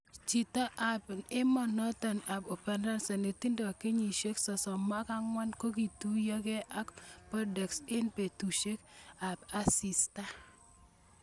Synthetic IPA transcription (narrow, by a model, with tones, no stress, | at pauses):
t͡ʃi˨ta˦ʔa˨pnɪ˦mɔ˨nɔ˦tɔ˨na˨bo˨pɛ˨nda˦nsɔ˨ne˨ti˦ndɔ˨ki˦ɲi˨ʃe˦ksɔ˨sɔ˨ma˦ka˦ŋwa˦nko˦k̬i˨tu˦jɔ˦kɛ˦ʔa˦kpɔ˦dɛ˨ksɪ˦npe˨tu˨ʃe˦ka˨pa˦si˨sta˦